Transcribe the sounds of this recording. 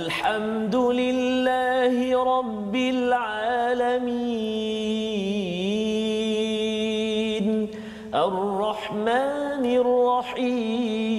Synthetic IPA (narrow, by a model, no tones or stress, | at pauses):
ʔalħam | d̪ʊlɪlːaːhɪɾˤɑbːɪlʕaːlami | n | ʔarˤːɑħmaːnɪrˤːɑħiː